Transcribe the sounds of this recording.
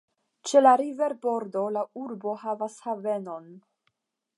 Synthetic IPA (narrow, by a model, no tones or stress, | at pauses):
t͡ʃe̞laɾive̞ɾbo̞ɾdo̞lauɾbo̞ɦavashave̞no̞n